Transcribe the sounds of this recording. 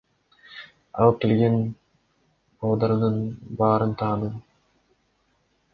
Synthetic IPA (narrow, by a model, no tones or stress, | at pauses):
ɑ̰lˠɯp̚kʲelʲɡʲen | oːd̪ɑɾɯnɯnbɑːɾɯnt̪ʰɑːnɯ